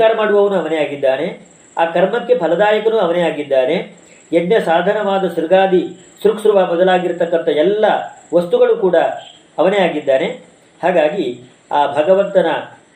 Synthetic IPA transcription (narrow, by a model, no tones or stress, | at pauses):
aːɾɐmaːɽuʋɐʋɐnuɐʋɐnejaːɡid̪ːaːne̞ | aːkɐɾmɐkːe̞pʰɐlɐd̪aːjɐkɐnuːɐʋɐnejaːɡid̪ːaːne̞ | ednjɐsaːd̪ʱɐnɐʋaːd̪ɐsuɾɡaːd̪i | sɾuksɾuʋaːbɐd̪ɐlaːɡiɾt̪ɐkːɐnt̪ɐɛlːɐʋɐst̪uɡɐɭukuːɽɐː | ʋɐnejaːɡid̪ːaːne̞ | haːɡaːɡi | aːbʱɐɡɐʋɐnt̪ɐnɐ